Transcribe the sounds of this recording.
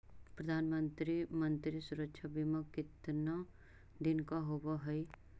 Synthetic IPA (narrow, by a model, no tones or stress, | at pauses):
pɾɐd̪ʱaːnmə̃nt̪ɾimə̃nt̪ɾisʊɾəkʃʰabimɐkɪt̪na | d̪ɪnkaɦobaɦɐi